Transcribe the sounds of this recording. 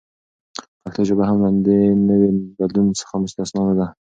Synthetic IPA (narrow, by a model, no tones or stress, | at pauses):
pakt̪ʰaʒobaɦamland̪enəwebad̪lunsə̥xamʊst̪asnɑmad̪a